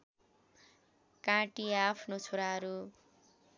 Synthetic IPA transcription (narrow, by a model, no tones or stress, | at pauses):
kãʈiapʰnot͡sʰoɾaɦʌɾu